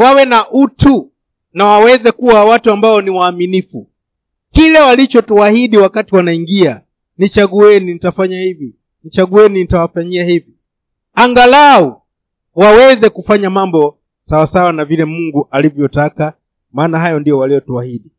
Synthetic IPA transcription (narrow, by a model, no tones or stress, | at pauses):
wawɛnaʔutu | nawawɛzɛkuwawatuambaɔniwaːminifṵ | kilɛwalit͡ʃɔtuahiɗiwakatiwanaiŋɡia | nit͡ʃaɡuɛninitafaɲahivi | nit͡ʃaɡuɛninitawafaɲiahivi | aŋɡalau | wawɛzɛkufaɲamambɔ | sawasawanavilɛmuŋɡuʔalivjɔjɔtaka | maːnaɦajɔndijɔwalijɔtuahiɗi